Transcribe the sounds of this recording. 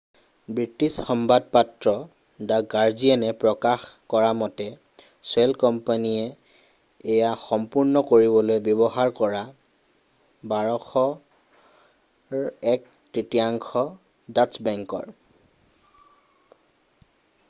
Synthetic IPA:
bɹitisxɔmbad̚patɹɔ | daɡaɹzianɛpɹɔkaxkɔɹamɔtɛ | swɛlkɔmpanijɛː | jaxɔmpuɹnɔkoɹibɔlojbɔbɔɦaɹkɔɹa | baɹɔxɔ | ɛk̚ | tɹitijaŋkʰɔ | dat͡ʃbɛŋkɔ̰ɹ

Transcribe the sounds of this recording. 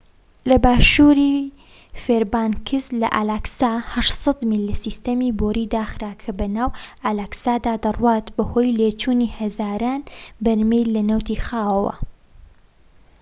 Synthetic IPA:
lɐbaːʃuːɾiː | feːɾbaːnkʰɨzlɐ̰ʔa̰ːlaːksaːhɐʃsˤɑd̪milːisist̪ɐmiːboːɾiːd̪aːxɾaːkʰɐbɐnaːwalaːksaːd̪aːd̪ɐrwaːt̪bɐho̞ːjleːt͡ʃuːniːhɐzaːɾaːnbɐɾmejlɐnɐwt̪iːxaːwɐwɐ̰

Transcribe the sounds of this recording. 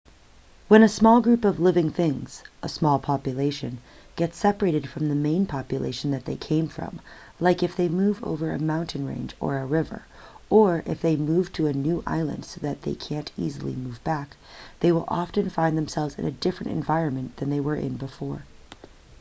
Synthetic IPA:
wə̃nɨsmɔlˠɡɹʉpʌvlɪvɪ̃ŋθɪ̃ŋz̥ʔəsmɔlˠpʰɑpjɨleɪʃɨ̰̃n | ɡ̥ɛtsɛpə˞eɪɾɨd̥fɹʌ̃mðɨmẽɪ̃npʰɑpjɨlḛɪʃn̩ðɨt̪̚ðeɪkʰẽɪ̃ɱfɹʌ̰̃m | laɪkɨfðeɪmuvo̰ʊvə˞ɨ̰mãʊ̃ntʰɨ̃nɹḛ̃ɪ̃nd͡ʒə̰˞əɹɪvə̰˞ | ə˞ʔɪ̰fðeɪmuv̥tʰɨːnʉʔa̰ɪlˠə̰̃nd̥soʊðɨt̪̚ðeɪkʰæ̃ntḭzl̩ˠḭmuvbæk | ðeɪwəlˠʔɑ̰ftɨ̃nfãɪ̃nðɨ̃m̩sɛlˠvzɨ̰̃nɨdɪfɹɨ̃ntɨ̰̃ɱvaɪɹɨ̃nmɨ̃nðɨ̃nðeɪwə˞ʔɪ̰̃nbəfɔɹ

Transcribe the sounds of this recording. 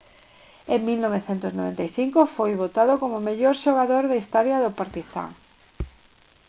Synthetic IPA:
ẽŋmilnoβ̞eθent̪ʊsnoβḛnt̪ajθiŋkofojβot̪aðokomʊmeʎoɾʃoɣ̞aðoɾðaist̪ɔɾjaðopaɾt̪iθa̰

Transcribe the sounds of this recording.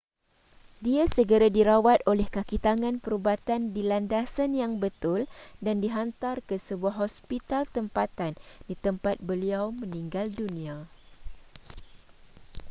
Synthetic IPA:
diasəɡəɾadiɾawat̪olɛhkakit̪aŋãnpəɾubat̪andilandasanjaŋbət̪ʊldandiɦant̪arkəsəbuaɦɔspit̪alt̪əmpat̪andit̪əmpat̪̚bəliawmə̃nĩŋɡaldunĩa

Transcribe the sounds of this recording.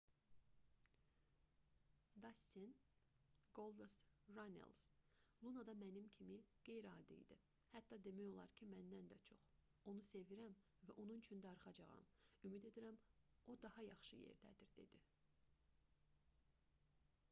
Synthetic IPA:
d̪ɑsin | ɡ̥olˠvest̪ɾɑnḛlˠz̥lˠunɑd̪ɑmænimcʰimiɡ̥e̞jɾɑːd̪ḭd̪i | hæt̪ːɑd̪e̞mæjo̞lˠɑ̰ɾcʰimænd̪ænd̪æt͡ʃʰo̞χ | o̞nuse̞viɾæm | væʔo̞nunyt͡ʃʰynd̪æːɾχɑd͡ʒɑʁɑ̰mymid̪e̞d̪iɾæmo̞d̪ɑhɑjɑχʃɯjḛɾd̪æ̰d̪iɾd̪e̞̰d̪i

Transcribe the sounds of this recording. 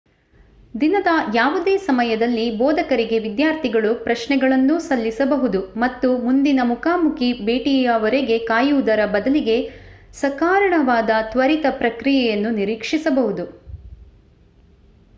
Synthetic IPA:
d̪inɐd̪ɐjaːʋud̪eːsɐmɐjɐd̪ɐlːibɔːd̪ɐkɐɾiɡe̞ʋid̪jaːɾt̪ʰiɡɐɭupɾɐʃɳɛɡɐɭɐnːusɐlːisɐbɐɦud̪umɐt̪ːumund̪inɐmukaːmukibeːʈijɐʋɐɾeɡe̞kaːjuud̪ɐɾɐbɐd̪ɐliɡe̞sɐkaːɾɐɳɐʋaːd̪ɐt̪ʋɐɾit̪ɐpɾɐkɾijɛjɐnːuniɾiːkʂisɐbɐɦud̪u

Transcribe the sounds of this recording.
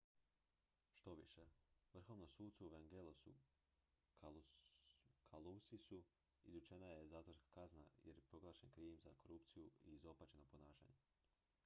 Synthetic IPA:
ʃt̪o̞ʋiʃeʋr̩xo̞ʋnomsuːdt̪suuʋeŋɡelosṵ | kʰalusisu | ḭzut͡ʃenaje̞zaːt̪ʋoɾskḁkazna̰jeɾjepɾo̞ɡlˠaːʃenkɾiːmzako̞ɾupt̪sijuiːzo̞pat͡ʃenoponaːʃa̰ːɲe

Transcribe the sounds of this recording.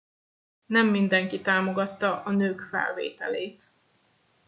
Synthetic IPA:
nɛmːind̪ɛŋkit̪aːmo̞ɡɒt̪ːɒʔɒnøːkfɛ̰lvḛːt̪ɛleːt̪

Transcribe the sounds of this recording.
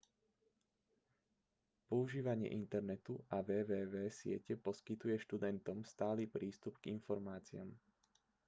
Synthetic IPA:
pɔuʒiːʋaɲɪɛ̰ʔint̪ɛɾnɛt̪uaʋɛːʋɛːʋɛːsɪɛ̰cɛpɔskit̪ujɛʃt̪ud̪ɛnt̪ɔmst̪aːliːpɾiːst̪upɡ̥infɔɾmaːt͡siam

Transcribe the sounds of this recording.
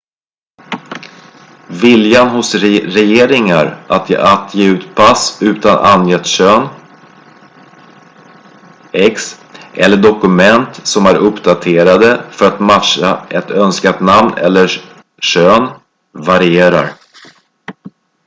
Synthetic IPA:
vɪljanhʊsɾɾɛjeːɾɪŋaɾat̪at̪ʰjeːʉ̟ːt̪pʰasʉ̟ːt̪ana̰njɛt̪ʂøːn | ɛks | ʔɛlːəɖɔkɵmɛnt̪sɔmæɾɵpd̪at̪ʰeːɾad̪əfœɾat̪mat̪ʂaɛt̪œnskat̪namnɛ̰lːə | ʂøːn | vaɾɪeːɾa̰ɾ

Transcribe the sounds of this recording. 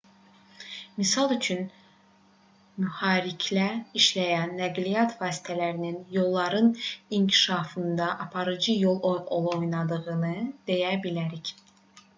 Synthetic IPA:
misɑlˠyt͡ʃʰyn | myhɑːɾicʰlæiʃlæjænːæɡlijɑt̪ʰvɑːsi̥t̪ʰælæɾininjo̞lˠːɑɾɯniɲcʰi̥ʃɑːfɯnd̪ɑʔɑpʰɑɾɯd͡ʒɯjo̞lˠolˠo̞jnɑd̪ɯɣɯnɯd̪̥e̞jæbilæɾic

